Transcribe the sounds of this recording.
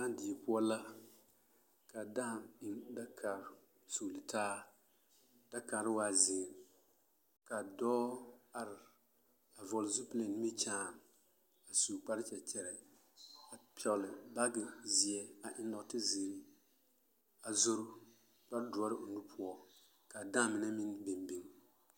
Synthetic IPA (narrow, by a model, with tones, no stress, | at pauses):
a˦n˦dɪ˨pʊ˦ɔ˦la˦ | ka˨da˦˨mɪ˨nda˦kʰa˨ɾ | suː˨lɪ˨tʰaː˦ | d̥a˦ka˨ɾɪ˦waː˦zɪ˨ɾ | ka˨dɔː˦a˨ɾɪ˨ | a˨vɔ˨lzu˦ple˨n˦i˦t͡ʃaː˦˨n | a˨suː˨k͡pa˦ɾɪ˦t͡ʃɛ˨t͡ʃɛ˨ɾɛ˨ | a˨pɔ˨lɨ˨ba˦ɡɪ˨zi˨ɛ˨a˨ʔɪ˦n˦dɔ˨˦tɪ˦zi˨ɾi˦ | a˨zo˦ɾʊ˦ | k͡pa˦ɾdʊ˨ɔ˦ɾɪ˦o˨nu˦pʰʊ˦ɔ˦ | ka˨daː˦mɪ˨na˦mɪ˦nbe˨mbi˦ŋ